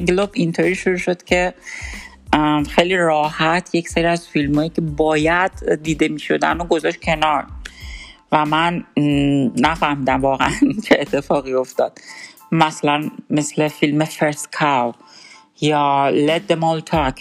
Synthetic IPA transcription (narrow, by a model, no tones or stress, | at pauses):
ŋɡlobint̪ʰoɾiːʃuɾuʃo̞d̪̥cʰe̞ | xejliɾɒːhæt̪ʰjecseɾiæzfilmɒːjiːcʰe̞bɒːjæd̪̥ːiːd̪e̞miːʃo̞̰d̪æ̰noɡo̞zɒʃt̪̚cʲʰe̞nɒːɾ | væmænː | æfæhmiːd̪æmvɒːɣeænt͡ʃʰeːt̪ʰːe̞fɒːɣio̞ft̪ɒːd̪̥mæslænmesle̞filmefeɾskʰaw | jɒːled̪ːemolt̪ʰɒk